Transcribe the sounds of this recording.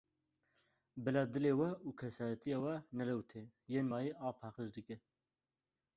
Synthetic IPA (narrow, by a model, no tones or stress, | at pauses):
bɨlɑːd̪ɨleːwɛuːkʰɛsɑːjɛt̪ʰijɑːwɛnɛlɛwt̪ʰeːjeːnmɑːjiʔɑːpʰɑːqəʒd̪ɨkɛ